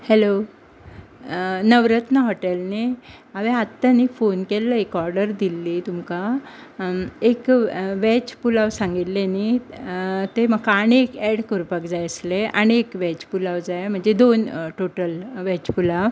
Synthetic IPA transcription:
hɛlo | nəʋɾət̪nəɦɔʈelneaʋeat̪ːaniːfonkelːəekɔɾɖəɾd̪ilːiːt̪umka | ekʋɛt͡ɕpulaʋsãŋɡit̪lani | t̪eməɡkañiekɛɽkəɾupəkd͡zajəsleʔaɽ̃iekʋɛt͡ɕpulaʋd͡zajm̤əɳd͡zed̪onʈoʈəlʋɛt͡ɕpulaʋ

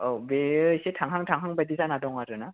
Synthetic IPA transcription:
ɔbesetʰaŋɦaŋtʰaŋɦaŋbadizanadɔŋaɾɯna

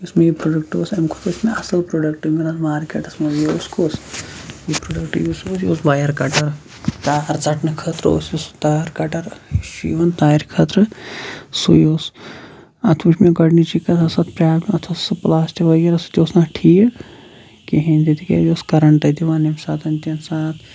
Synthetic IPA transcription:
usmejipɾoːɖɐkʈoːsɐmkʰot̪ʰosmeɐsɐlpɾoːɖɐk̚ʈimɡinanmaːɾkʲɐʈɐsmɐjoːskʰosjipɾoːɖɐkʈjusosjo̰ːsbaːjɐɾkɐʈɐɾ | t͡ʃaːɐɾt͡sɐʈnɨkʰət̪ɾo̰ːsjost̪aɾkɐʈɐɾʃḭʋɐnt̪aːiɾkʰət̪ɾɨ | sṵjoːs | ɐt̪ʰuʃmeɡɐɽnit͡ʃikɐt̪ʰɐsat̪̚pɾʲaːbɐt̪ʰosɨplaːst̪iʋɐjɐɾɐsɨt̪ʲjoːsnaːʈʰiː | kiɦẽnt̪it̪ikḛjoːskɐɾɐɳʈɐt̪iʋaːnemʲsaːt̪ɐnt̪ɐnsaːt̪ʰ

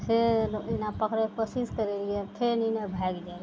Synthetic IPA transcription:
selinapəkʰɾepəsiskəɾeliet̪ʰeninebʱaɡd͡ʒabe

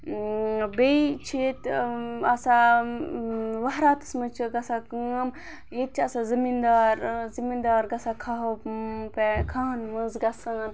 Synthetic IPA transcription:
beit͡ʃʰet̪ɐsa | ʋaɦɾaːt̪ɨ̥smɨt͡ʃʰiɡɐsakəm | jet̪̚t͡ʃʰiɐsazimind̪aːɾzimind̪aːɾɡɐsakʰaɦoppekʰaːnmɨnzɡɐsaːn

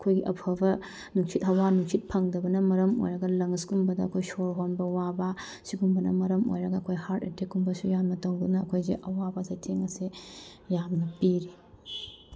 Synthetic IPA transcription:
ɐkʰojɡiʔɐ̰pʰɐbɐ | nuŋsithɐwanuŋsit̚pʰɐŋdɐbɐnɐmɐɾɐmo̰jɾɐɡɐlɐŋskumbɐdɐɐkʰojsoɾɦonbɐwabɐ | siɡumbɐnɐ̰mɐɾɐmo̰jɾɐɡɐːkʰojhaɾtetʰekumbɐsujamnɐtɐwdunɐːkʰojzḛʔɐwabɐzɐjtʰeŋɐsejamnɐpiɾe

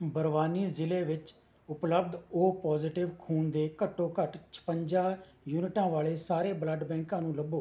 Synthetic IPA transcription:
bəɾʋaːniːzɪleːʋɪt͡ʃ | ʊpləb̚d̪oːpɔːzɪʈɪʋkʰuːnd̪eːkəʈːõːkəʈt͡ʃʰə̥pəɲd͡ʒaː | juːnɪʈãːʋaːɭeːsaːɾeːbləɖbɛ̃ːŋkãːnũːləboː

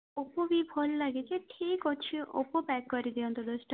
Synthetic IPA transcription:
opobipʰɔlːaɡet͡ʃʰeʈʰikot͡ʃʰiʔo̰popɛkːɔɾid̪iɔnt̪od̪ɔsʈa

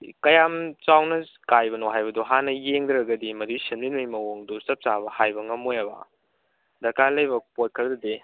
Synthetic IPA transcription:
kɐjamt͡ʃawnɐ | kajbɐnoɦajbɐduɦanɐjeŋdɾɐɡɐdimɐdusinminmɐjmɐwoŋdusɐp̚sabɐhajbɐŋɐmojabɐ̰ | dɐkalɐjbɐpot̚kʰɐɾɐdɐde

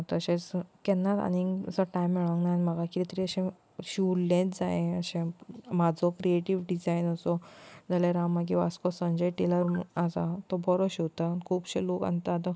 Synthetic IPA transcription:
t̪əɕẽt͡skɛnːat̪a̰nisəʈajmːɛɭʋə̃ŋknajnməɡakɾit̪ɾiəɕẽ | ɕiwlẽt͡sd͡zaẽəɕẽmad͡zʱɔkɾieʈiʋɖid͡zainəsɔd͡zaleɾamaɡiʋa̰skɔsə̃ɲd͡ʑejʈiləɾasat̪ɔbʱɔɾoɕiwt̪əkʰuːpɕẽloka̰nt̪at̪ɔ

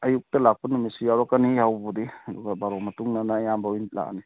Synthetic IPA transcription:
ɐjuk̚tɐlak̚panumisijawɾɔkanihawbɔdidɔɡabaɾomɐtuŋnanajambawint̚la̰ka̰ni

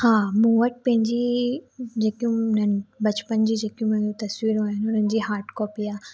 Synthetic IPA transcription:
hãːmũːʋəʈ̚pɐ̃ɦɪ̃ɲd͡ʑi | d͡ʑeːkijũʊnənɪbɐt͡ɕpənd͡ʑiːd͡ʑeːkijũmɐ̃ɦɪ̃ɲd͡ʑot̪ɐswiːɾaːjɪnɪʊnənɪ̆d͡ʑiːɦaːɾʈkɔːpiaː

